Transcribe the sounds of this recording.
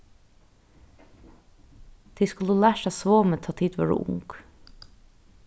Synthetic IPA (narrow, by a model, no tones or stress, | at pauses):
d̪̥iːskʉlulæːʃæsʋoːmət̪ʰɑːt̪ʰiːd̪ʋœ̰ːɖṵːʔʊ̰ŋɡ̥